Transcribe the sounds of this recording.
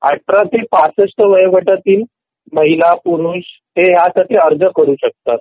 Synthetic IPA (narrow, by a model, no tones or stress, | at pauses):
a̰ʈɾat̪epasəsʈəʋəjəʋəʈat̪iːl | məɦilapuɾuːs | ɦ̪eɦjasaʈiːəɾd͡zəkəɾuːɕək̚t̪at̪